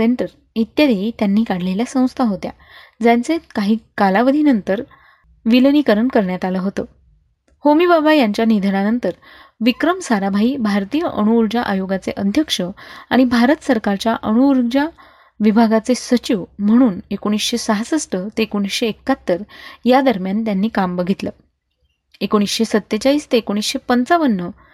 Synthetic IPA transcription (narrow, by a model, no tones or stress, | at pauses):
eɳʈəɾ | it̪jad̪eit̪janːiːkaɽ̤leljasə̃w̃st̪ʰaɦot̪ja̰ | d͡zjant͡sekaɦiːkalaʋəd̪ʱinənt̪əɾ | ʋilənikəɾəɳkəɾɳjat̪aləɦot̪ə | homibabajaɲt͡ɕjanid̪ʱəɾanənt̪əɾ | ʋikɾəmsaɾabʱaiːbʱaɾt̪ijəʔəɽ̃uːɾd͡ʑaʔajoɡat͡seʔəd̪ʱjəkʂəaɽ̃ibʱaɾət̪səɾkaɾt͡ɕjaʔəɽ̃uːɾɡd͡ʑa | ʋibʱaɡat͡sesət͡ɕiʋm̤əɽ̃uːnekoɽ̃isɕesaɦasəsʈət̪eekoɽ̃isɕeːkːat̪ːəɾjad̪əɾmjant̪janːiːkambəɡʱit̪lə | ekoɽ̃isɕesət̪ːet͡ɕaɦiːst̪eːkoɽ̃isɕepənt͡saʋənːə